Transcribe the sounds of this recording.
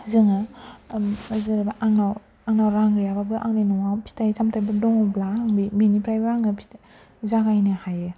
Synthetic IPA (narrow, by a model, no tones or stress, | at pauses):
zɯŋɯ | azɯɾabaʔaŋnaw | aŋnawɾaŋɡɯjababɯʔaŋnanɔŋapʰi̥tʰajtʰamtʰajbɯdɔŋɔblaaŋbiminipʰɾajbaɾaŋɡɯpʰi̥t | zaɡajnɯhajɯ